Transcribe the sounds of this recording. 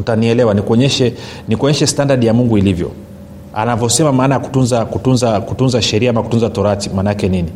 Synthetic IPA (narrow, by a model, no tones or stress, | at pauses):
utaniɛlɛwanikuɔɲɛʃɛ | nikɔɲɛʃɛstandaɗijamuŋɡuilivjɔ̰ | anavjɔsɛmamaːnajaku̥tunzakutunzakutunzaʃɛɾiaamaku̥tunzatɔɾatimanakɛnini